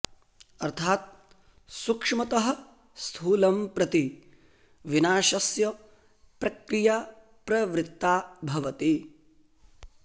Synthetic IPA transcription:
ɐɾt̪ʰaːt̪̚ | sukʂmɐt̪ɐɦɐ̆ | st̪ʰuːlɐmpɾɐt̪i | ʋinaːʃɐsjɐ | pɾɐkɾijaː | pɾɐʋɾɪt̪ːaːbʱɐʋɐt̪i

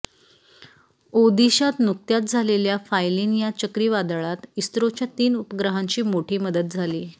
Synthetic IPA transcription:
od̪iɕat̪nuk̚t̪jat̪̚d͡zʱaleljafajliːnjat͡ɕəkɾiːʋad̪ɭat̪ist̪ɾot͡ɕjat̪iːnupəɡɾəɦãɲt͡ɕiːmoʈʰiːməd̪ət̪̚d͡zʱaliː

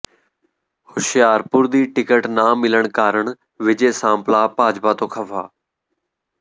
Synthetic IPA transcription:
hʊʃɪjaːɾpʊɾd̪iːʈɪkəʈnaːmɪləɳ̃kaːɾəɳ | ʋɪd͡ʒeːsãːmplaːpaːd͡ʒbaːt̪oːkʰəfʰaː

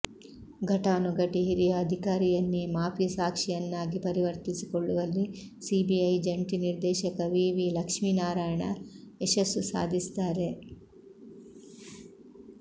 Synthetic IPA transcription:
ɡʱɐʈaːnuɡɐʈiɦiɾijɐːd̪ʱikaːɾijɐnːimaːpjɐsaːkʂijɐnːaːɡipɐɾiʋɐɾt̪isikoɭːuʋɐlːisiːbiɐjd͡ʒɐɳʈiniɾd̪ɛːʃɐkɐʋiːʋilɐkʂminaːɾaːjɐɳɐeʃɐsusa̰ːd̪ʱist̪aːɾe̞

